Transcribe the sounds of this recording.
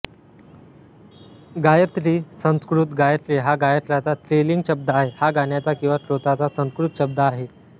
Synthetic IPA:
ɡajət̪ɾiːsə̃ñskɾut̪ɡajət̪ɾiːɦaɡajət̪ɾat͡sat̪ɾeliŋɡɕəb̚d̪aːɦehaɡaɳjat͡sakĩw̃ʋasɾot̪at͡sasə̃skɾut̪ɕəb̚d̪aːɦe

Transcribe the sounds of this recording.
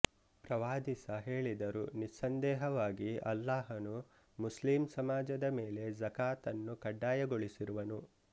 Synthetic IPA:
pɾɐʋaːd̪isɐɦe̞ːɭid̪ɐɾunisɐnd̪ɛːɦɐʋaːɡiɐlːaːɦɐnu | muslimsɐmaːd͡ʒɐd̪ɐmeːle̞zɐkaːt̪ɐnːukɐɖːaːjɐɡoɭisiɾuʋɐnu

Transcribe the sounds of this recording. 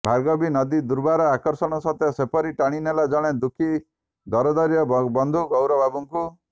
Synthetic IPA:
bʱalɡɔbinɔd̪id̪uɾbaɾɔakɔɾsɔɽ̃ɔsɔt̪ʰjɔsepɔɾiʈaɽ̃inelad͡ʒɔɽ̃ed̪ukʰi | d̪ɔɾɔd̪ɔɾjɔbɔnd̪ʱuɡɔwɾɔbʱabuŋku

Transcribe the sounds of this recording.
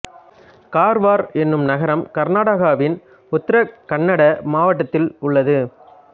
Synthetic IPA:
kaːɾʋaːɾɛnːɯmnɐɣɐɾɐmkɐɾnaːɽɐɣaːʋɪn | ʊt̪ːɐɾɐkɐnːɐɽɐmaːʋɐʈːɐt̪ːɪlʊɭːɐðɯ

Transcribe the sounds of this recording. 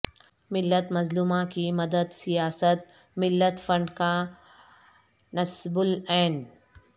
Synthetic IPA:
mɪlːət̪mɐzluːmãkimɐd̪əd̪sijaːsət̪̚ | mɪlːət̪fɐ̃ɳɖka | nɐsbʊlɛːn

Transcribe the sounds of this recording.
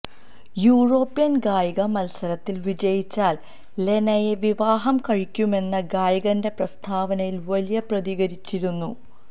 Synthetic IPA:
juːɻo̞ːpːijɐnɡaːjiɣɐmɐlsɐɾɐt̪ːilʋid͡ʑɐjit͡ɕːaːl | le̞nɐjeʋiʋaːɦɐmkɐɻikʲːume̞nːɐɡaːjiɣɐnde̞prɐst̪ʰaːʋɐnɐjilʋɐlijɐprɐðiɣɐɾit͡ɕːiɾunːu

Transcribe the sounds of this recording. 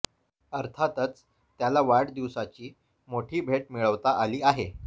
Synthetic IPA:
əɾt̪ʰat̪ət͡s | t̪jalaʋaɽd̪iʋsat͡ɕiː | moʈʰiːbʱeʈ̚miɭəʋt̪aʔaliːaɦe

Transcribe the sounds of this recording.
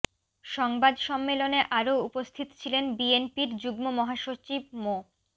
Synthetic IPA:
ʃɔŋbad̪ʃɔmːeloneʔaɾoupost̪ʰit̪o̥t͡ɕʰilenbienpiɾd͡ʑuɡmomɔɦaʃot͡ɕib̚mo

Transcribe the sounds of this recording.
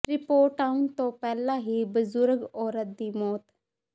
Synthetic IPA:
ɾɪpoːɾʈaːunt̪õːpɛːlãːɦiːbəzʊɾɡɔːɾət̪̚d̪iːmɔːt̪

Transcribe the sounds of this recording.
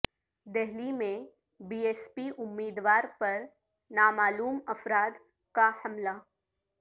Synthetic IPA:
d̪ɛɦlimẽ | biːeːspiʔʊmːiːd̪ʋaːɾpɐɾ | naːmaːluːmɐfɾaːd̪ | kahɐmlaː

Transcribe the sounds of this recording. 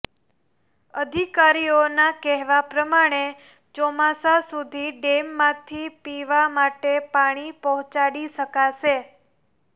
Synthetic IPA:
əd̪ʱikaɾionakɛɦʋapɾəmaɽ̃e | t͡ʃɔmasasud̪ʱiɖemːãt̪ʰipiʋamaʈepaɽ̃ipəɦɔ̃t͡ʃaɽiʃəkaʃe

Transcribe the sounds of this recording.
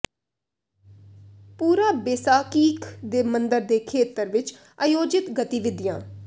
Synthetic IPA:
puːɾaːbeːsaːkiːkd̪eːmənd̪əɾd̪eːkʰeːt̪əɾʋɪt͡ʃ | əjoːd͡ʒɪt̪ɡət̪iːʋɪd̪ɪjãː

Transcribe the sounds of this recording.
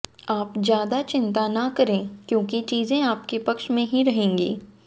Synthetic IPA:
aːpzjaːd̪at͡ʃɪ̃nt̪anɐkɐɾẽːkjõːkit͡ʃiːzẽaːp̚kepɐkʃmẽɦiɾɐɦẽːŋɡḭː

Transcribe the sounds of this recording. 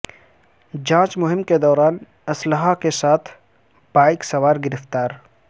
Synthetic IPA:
d͡ʒãːt͡ʃmʊɦɪmked̪ɔːɾaːn | ɐsləɦakesaːt̪ʰ | b̥aːɪksɐwaːɾɡɪɾɪft̪aːɾ

